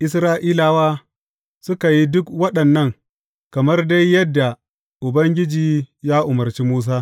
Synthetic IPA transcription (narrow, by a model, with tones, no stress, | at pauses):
ʔɪ˦s̬ɾaː˦ʔiː˦laː˨waː˦ | sʊ˦ka˨ji˦dʊ˦kwɐ˦ɗɐ˨nːɐ˦ŋ | kɐ˨mɐ˦rda˦jːɐ˦dːa˨ | ʔʊ˨bɐ˦ŋɡʲɪ˦d͡ʒiː˨jaː˦ʔʊ˨mɐ˨rt͡ʃiː˦muː˦s̬aː˦